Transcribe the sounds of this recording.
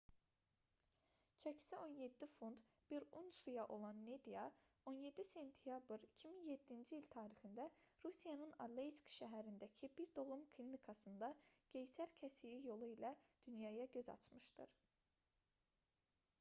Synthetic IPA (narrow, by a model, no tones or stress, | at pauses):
t͡ʃʰæcʰi̥sio̞nje̞d̪ːifunt̪ | b̥iɾunsujɑʔo̞lˠɑnːed̪ijɑ | o̞nje̞d̪ːise̞nt̪ʰijɑbɯɾi̥cʰiminje̞d̪ːind͡ʒiilt̪ʰɑːɾixind̪æɾusijɑnɯnɑ̰d̪lejskʃæɦæɾind̪æcʰibiɾd̪o̞vumkʰlʲinikʰɑsɯnd̪ɑɟ̥e̞jsæɾcʰæsijijo̞lˠuilæd̪̥ynjɑjɑɟø̞zɑ̰t͡ʃʰmɯʃd̪ɯ̰ɾ̥